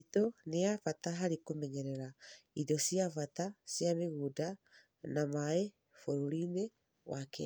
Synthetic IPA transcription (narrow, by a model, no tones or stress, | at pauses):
toneafataɦaɾikomɛɲɛɾɛɾaidɔsiafatasjameɣuda | namae | foɾuɾine | wakɛ